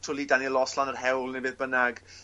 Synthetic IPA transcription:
tʰʊlˠidanilɔslanərhɛwlˠnɪbɪðbənaɡ̥

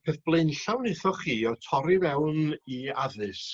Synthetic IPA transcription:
pʰɛðb̥lˠenɬawnɨθɔχiːɔtʰɔɾivɛwniaðɨs

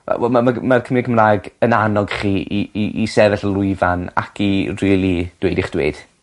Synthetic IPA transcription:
wɛ̰wɛ̰lˠmamamarkʰəmiɡʰəmraːɛɡənanɔɡ̥χiːʔiiʔisɛvɛɬəlˠʊɨvana̰kʰiriːlˠid̥weɨdɪχd̥wḛːd̥

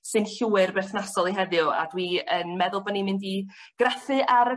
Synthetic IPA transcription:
sɨnɬuːɨrbɛrθnasɔlˠiɦɛðjʊa̰dwiənmɛðʊlˠbɔnimɪndi | ɡ̥rafɨʔaɾ

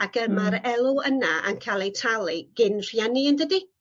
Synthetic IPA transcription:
aɡəmaɾɛlˠuənaʔa̰nkʰalˠetʰalˠiɡ̥ɪnr̥jɛnɪəndədi

